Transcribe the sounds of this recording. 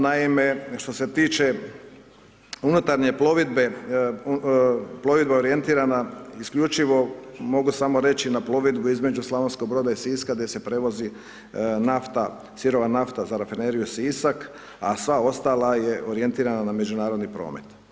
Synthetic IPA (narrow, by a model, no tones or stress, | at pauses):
naime̞ʃt̪o̞se̞t̪iːt͡ʃe | unut̪aɾɲe̞ploʋid̪be | plˠo̞ʋid̪bao̞ɾije̞nt̪iːɾanaiskʎut͡ʃiʋo̞mo̞ɡusamoɾe̞t͡ʃinaplˠo̞ʋid̪buizme̞d͡ʒuslaʋensko̞ɡ̚bɾo̞ːd̪aisiːskaɡd̪je̞se̞pɾeʋo̞zi | naft̪a | siɾo̞ʋanaft̪azaɾafineɾijusisak | asʋao̞st̪aːlaje̞ʔoɾije̞nt̪iːɾananame̞d͡ʒunaːɾo̞d̪nipɾo̞̰ːmet̪